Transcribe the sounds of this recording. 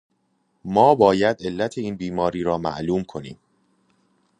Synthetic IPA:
mɒːbɒːjæd̪e̞lːæt̪ʰe̞iːnbiːmɒːɾiːɾɒːmæ̰ʔluːmkʰonḭːm

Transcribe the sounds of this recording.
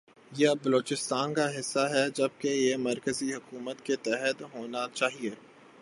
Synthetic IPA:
jebɐloːt͡ʃɪst̪aːnkaɦɪsːaɦɛd͡ʒɐb̚kejemɐɾkəziɦʊkuːmət̪ket̪ɛɦət̪ɦoːnat͡ʃaːɦieː

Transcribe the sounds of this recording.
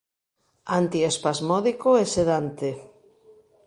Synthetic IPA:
ant̪iespazmɔðikoeseðant̪e

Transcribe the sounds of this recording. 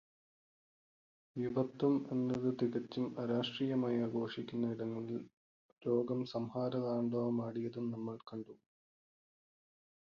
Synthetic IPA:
ʋjuʋɐt̪ːume̞nːɐðɨt̪iɣɐt͡ɕːumɐɾaːʂʈriːjɐmaːjaːɡo̞ːʂikʲːunːɐiɽɐŋːɐɭil | ɾoːɡɐmsɐmhaːɾɐðaːɳɖoːmaːɽijɐðumnɐmːɐɭkɐɳɖu

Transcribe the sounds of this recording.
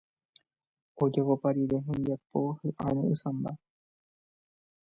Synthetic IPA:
od͡ʒakopaɾiɾe̞ɦẽnd̪iapo̞hɨʔaɾ̃ũʔɨsãmba

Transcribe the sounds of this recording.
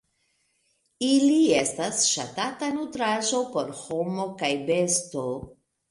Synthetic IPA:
ilie̞stasʃa̰tatanutɾaʒo̞po̞ɾho̞mo̞kajbe̞sto̞

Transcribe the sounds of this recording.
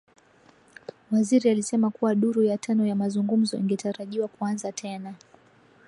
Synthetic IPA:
waziɾialisɛmakuwaɗuɾujatʰanɔjamazuŋɡum̩zɔ̰ʔiŋɡɛtaɾaʄiwakuanzatʰɛna

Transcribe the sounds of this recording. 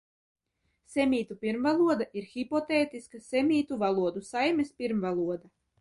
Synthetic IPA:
sʲemʲiːt̪upʲiɾmvalˠuɔd̪aʔiɾxʲipɔt̪eːt̪iskasɛmʲiːt̪uvalˠuɔd̪usajmʲespʲiɾmvalˠuɔd̪a

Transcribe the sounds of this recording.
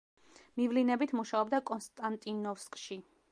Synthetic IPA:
mivlinɛbit̪ʰmuʃaɔbd̪akʼɔnst̪ʼant̪ʼinɔfskʼʃi

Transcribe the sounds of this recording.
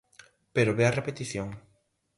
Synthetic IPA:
peɾoβeɐrepet̪iθjoŋ

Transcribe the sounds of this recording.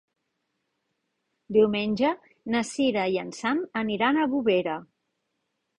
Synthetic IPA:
d̪iwmenʲʒə | nəsiɾəjənsanəniɾanəβuβeɾə

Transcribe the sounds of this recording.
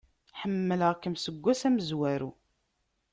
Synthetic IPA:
ħəmːələʁkːəmsəɡʷːæsæməzwæɾu

